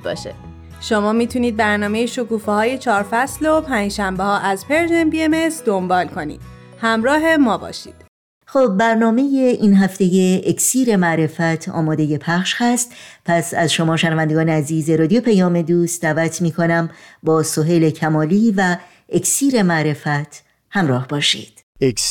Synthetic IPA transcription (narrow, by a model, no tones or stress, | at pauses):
b̰ːʃḛ | ʃo̞mɒːmiːt̪ʰuniːd̪̚bæɾnɒːmejeʃo̞kuːfehɒːje̞t͡ʃʰɒːɾfæslopʰæːnd͡ʒʃæmbehɒːʔæzpʰeɾʒenbiemesd̪o̞mbɒːlkʰo̞nḭːd̪̥ | hæmɾɒːɦe̞mɒːbɒ̰ːʃḭːd̪̥ | xob̚ːæɾnɒːme̞jeʔinɦæft̪e̞jeʔeksiːɾe̞mæʔɾe̞fæt̪ʰɒ̰ːmɒːd̪e̞je̞pʰæχʃhæst̪pʰæsæzʃo̞mɒːʃenævænd̪e̞ɡɒːneæziːzeɾɒːd̪ijopʰæjɒːme̞d̪uːst̪d̪æːvæt̪ʰmiːkʰo̞næmbɒːso̞ɦeːle̞cʰæmɒːliːvæ | ecsiːɾe̞mæʔɾe̞fæt̪ʰ | hæmɾɒːhb̥ɒːʃḭːd̪̥